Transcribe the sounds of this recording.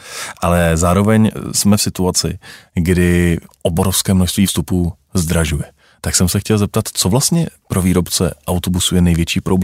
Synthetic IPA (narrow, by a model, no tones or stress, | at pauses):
ʔalɛzaːɾo̞vɛɲsmɛfsɪt̪uat͡sɪ̰ɡdɪʔobɾofskɛːmnoʃst̪viːfst̪upu | zd̪ɾaʒujɛ | t̪aksɛmsɛxcɛlzɛp̚t̪at̪t͡sovlast̪ɲɛpɾoviːɾo̞pt͡sɛ̰ʔawt̪obusujɛnɛjvjɛt͡ʃiːpɾobl